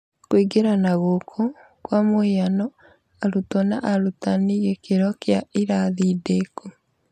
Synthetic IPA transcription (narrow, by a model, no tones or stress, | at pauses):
kwiɡeɾanaɣokʰɔ | kwamoianɔ | aɾutɔnaʔaɾutaniɣekeɾɔkjaiɾaðideko